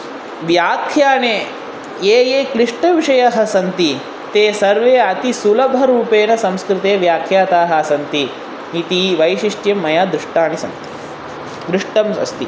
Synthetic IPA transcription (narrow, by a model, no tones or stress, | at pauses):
ʋjaːkʰjaːneː | eːjeːkɾɪʂʈɐʋiʂɐjɐɦɐsɐnt̪i | t̪eːsɐɾʋeːɐt̪isulɐbʱɐɾuːpeːnɐsɐ̃mskɾɪt̪eːʋjaːkʰjaːt̪aːɦɐɐsɐnt̪i | ɦit̪iːʋɐjʃiʂʈjɐmːɐjaːd̪ɾuʂʈaːñisɐ̰nt̪i̥ | d̪ɾuʂʈɐmɐ̰st̪i